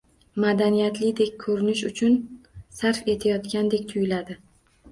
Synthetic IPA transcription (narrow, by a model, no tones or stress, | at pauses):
mad̪anijat̪lɪd̪e̞kʲkʰɵɾɪnɪʃʊt͡ʃʰʊnsaɾfe̞t̪ʰajɒt̪kʲand̪e̞kʲt̪ʰʊjɪlad̪ɪ